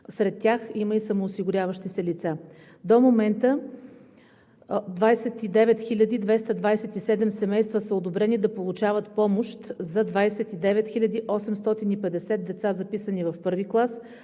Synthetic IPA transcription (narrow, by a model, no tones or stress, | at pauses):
sɾɛt̪ːʲjaximəisəmoːsiɡʊɾʲavəʃt̪isɛlit̪sa | d̪omomɛnt̪ə | d̪vajsɛt̪id̪ɛvɛt̪xilʲəd̪id̪vɛst̪əd̪vajsɛt̪isɛd̪ɛmsɛmɛjst̪vəsəod̪obɾɛnid̪ɐpolˠut͡ʃavət̪pɔmoʃt̪zɐd̪vajsɛt̪id̪ɛvɛt̪xilʲəd̪iʔɔsɛmst̪ɔt̪inipɛd̪ɛsɛt̪̚d̪ɛt̪sazɐpisənivɐfpɤɾviklˠas